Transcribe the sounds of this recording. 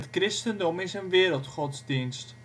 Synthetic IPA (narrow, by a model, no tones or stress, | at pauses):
ətkrɪstəndɔmɪsənʋɪəɾəlˠtχɔtzdinst